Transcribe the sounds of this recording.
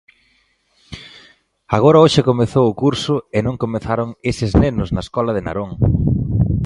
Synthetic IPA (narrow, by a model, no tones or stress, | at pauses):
aɣoɾɐoʃɪkomeθowʊkuɾsʊenõŋkomeθaɾoŋesɪznenʊznɐeskɔlɐðɪna̰ɾoŋ